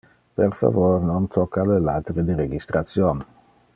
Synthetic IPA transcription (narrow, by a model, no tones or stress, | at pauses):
perfa̰vornont̪ʰokʰːalela̰t̪ɾed̪iɾeɡist̪ɾʔat̪sjon